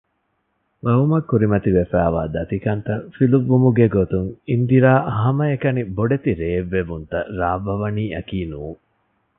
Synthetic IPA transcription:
ʋɐʋumɐkːuɾimɐt̪iʋefæːʋaːd̪ɐt̪ikɐnt̪ɐfiluʋːumuɡeɡot̪uŋind̪iɾaːʔɐɦɐmɐekɐniboɖet̪iɾeːʋːeʋunt̪ɐɾaːʋɐʋɐniːɐkiːnuːŋ

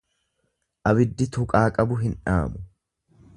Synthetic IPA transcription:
ʔɐbɪd̪ːɪt̪ʊkʼaːkʼɐbʊɦɪnᶑa̰ːmʊ

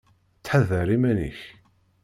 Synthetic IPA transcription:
t͡sːħaðəɾimænḭç

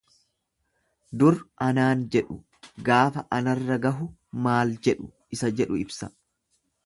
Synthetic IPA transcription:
d̪ʊɾɐnaːnd͡ʒɛᶑʊ | ɡaːfɐʔɐnɐrːɐɡɐɦʊ | maːld͡ʒɛᶑʊ̥ | ɪsɐd͡ʒɛᶑʊɪbsɐ

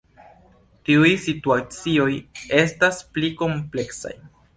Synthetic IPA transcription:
tiujsituat͡sio̞je̞staspliko̞mple̞ksa̰j

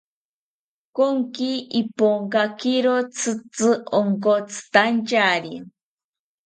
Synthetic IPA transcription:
koŋkiipoŋkakiɾot͡sʰɨt͡sɨoŋkot͡sʰɨ̥t̪ant͡ʃaɾi

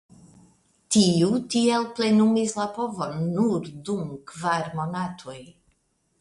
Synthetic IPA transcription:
tiutielple̞numislapo̞vo̞nːuɾdumkvaɾmo̞natʰo̞j

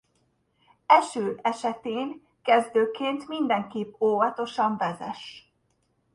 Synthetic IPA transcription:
ɛʃøːlɛʃɛt̪eːŋ | kɛzd̪øːkeːnt̪mind̪ɛŋkipːoːvɒt̪o̞ʃɒɱvɛzɛ̰ʃ

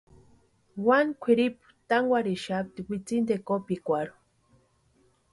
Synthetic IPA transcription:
wankʷʰiɾipu̥t̪aŋɡʷaɾiʃap̚t̪iwʷit͡sind̪ekopikʷaɾu̥

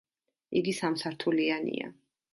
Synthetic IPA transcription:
iɡisamsaɾt̪ʰulianḭa̰

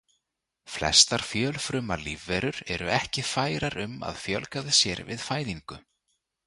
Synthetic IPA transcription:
flɛ̰st̪aɾ̥fjœlfɾʏmalivːɛɾʏɾɛɾʏɛhcɪfaːjɾaɾʏma̰ðfjœlkaðɪsjɛɾvɪ̰ðfaːjðiŋkʏ

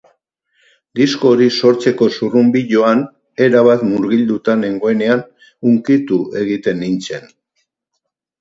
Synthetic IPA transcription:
d̪isko̞ɾiso̞ɾt͡se̞ko̞surumbiʎo̞an | e̞ɾaβ̞at̪muɾɣild̪ut̪ane̞ŋɡo̞e̞ne̞an | uŋkit̪ue̞ɣ̞it̪e̞nːint͡se̞n

